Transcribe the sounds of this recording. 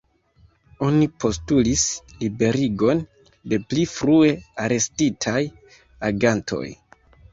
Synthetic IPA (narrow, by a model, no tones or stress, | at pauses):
o̞nipʰo̞stulislibe̞ɾiɡo̞n | de̞plifɾue̞aɾe̞stitʰaj | aɡantʰo̞̰j